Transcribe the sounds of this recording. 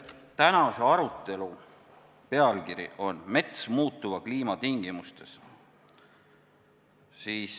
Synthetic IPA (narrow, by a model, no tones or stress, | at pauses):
t̪ænɑse̞ɑɾut̪ːˑe̞lu | pe̞ɑlkiɾḭʔo̞nme̞t̪smuːt̪ˑːuvɑkliːmɑt̪iŋɡ̥imust̪e̞s | siːs